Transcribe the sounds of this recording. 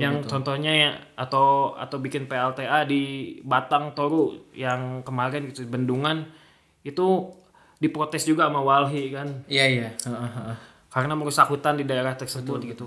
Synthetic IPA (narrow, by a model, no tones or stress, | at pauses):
jaŋt͡ʃɔnt̪ɔhɲaja | at̪awa̰t̪awbikɪnpeɛlt̪eʔadibat̪aŋt̪oɾujaŋkəmaɾɛnɡit̪ubənduŋan | it̪u | dipɾot̪ɛsd͡ʒuɡaːmawalɦikanijaijaəə | kaɾənaməɾusakɦut̪andidaeɾaht̪ərsəbʊt̪̚ɡit̪u